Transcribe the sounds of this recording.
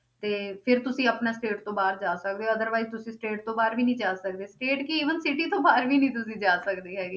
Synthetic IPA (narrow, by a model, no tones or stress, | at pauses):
t̪eːpʰɪɾt̪ʊsĩːəpnaːsʈeːʈt̪õːbaːɾd͡ʒaːsək̚d̪eːoəd̪əɾʋaːizt̪ʊsĩːsʈeːʈ̚t̪õːbaːɾʋiːnĩːd͡ʒaːsəkd̪eːsʈeːʈkiiːʋənsɪʈiːt̪õːbaːɾʋiːnĩːt̪̬ʊsĩːd͡ʒaːsəkd̪iːɦɛːɡiː